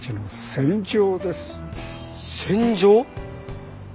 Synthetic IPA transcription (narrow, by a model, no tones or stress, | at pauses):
t͡ɕinosẽ̞ɲd͡ʑoːd̪e̞sɨ̥ | sẽɲd͡ʑoː